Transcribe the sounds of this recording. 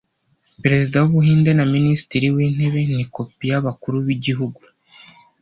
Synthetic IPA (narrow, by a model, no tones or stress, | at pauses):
peɾe̞zidawuβuɦiːnde̞naminisi̥tiɾiwiːn̥he̞βe̞niko̞pijaβakuɾuβiɟiɦuɡu